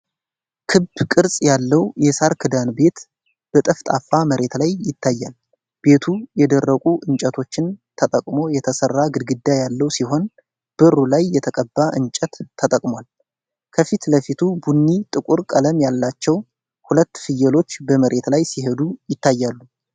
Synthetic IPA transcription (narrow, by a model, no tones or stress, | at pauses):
kʰɨbkʼɨɾsʼjalːəwjɛsaɾkʰɨd̪anbe̞t̪ | b̥ət̪ʼəft̪ʼafːaməɾe̞t̪lajːɪt̪ʰːajːal | b̥e̞t̪ʰujɛd̪ərːəkʼuʔɨnt͡ʃʼət̪ʰo̞t͡ʃːɪnt̪ʰət̪ʼəkʼmo̞jɛt̪ʰəsərːaɡɨd̪ɡɨd̪ːajalːəwsiho̞n | b̥ɨrːulajːɛt̪ʰəkʼəbːaʔɨnt͡ʃʼɛt̪ʰːət̪ʼəkʼmwal | kʰəfit̪ləfit̪ʰubunːit̪ʼɨkʷʼuɾkʼələmjalːat͡ʃːɛw | hulət̪ːfɨjːɛlo̞t͡ʃːbəməɾe̞t̪lajsiɦed̪ujɪt̪ːajːalːu